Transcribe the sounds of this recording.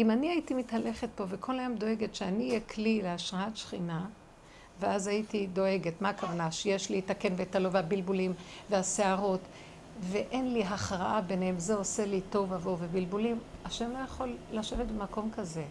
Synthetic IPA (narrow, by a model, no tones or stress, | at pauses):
ʔimaniaitimithale̞χet̚po̞vekʰo̞lajomdo̞e̞ɡetʃeanijekʰlileaʃʁaatʃχina | veazajitido̞eɡetmaːkavanaʃejeʃliitake̞nvetalo̞veabilbulimveaseaʁo̞t | ve̞ʔe̞nliɦaχʁaʔabe̞nhemzeo̞se̞lito̞vavovebilbulimaʃe̞mlo̞jaχo̞lːaʃe̞vetbemako̞mkaze̞